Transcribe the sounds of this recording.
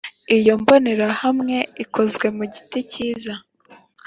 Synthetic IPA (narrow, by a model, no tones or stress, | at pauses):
ijomboneɾahamŋe̞ikʰo̞zɡwe̞muɟiticiːza